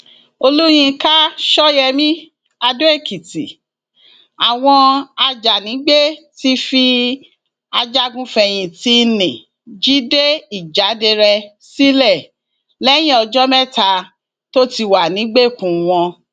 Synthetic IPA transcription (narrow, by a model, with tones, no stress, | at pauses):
o˧lu˦j̃ĩ˧ka˦ʃɔ˦jɛ˧mĩ˦ | a˧do˦e˦˨ki˨tḭ˨ | a˨w̃ɔ̃˧a˧d͡ʒa˨nĩ˨˦ɡ͡be˦ti˦fi˦ | a˧d͡ʒa˦ɡũ˦fɛ˧j̃ĩ˧ti˦nĩ˨ | d͡ʒi˦de˦i˦˨d͡ʒa˨˦de˧ɾɛ˧ | si˦lɛ˦˨ | lɛ˦j̃ĩ˦ɔ˧d͡ʒɔ˦mɛ˦ta˧ | to˦ti˧wa˨nĩ˨˦ɡ͡be˦˨kũ˨w̃ɔ̃˧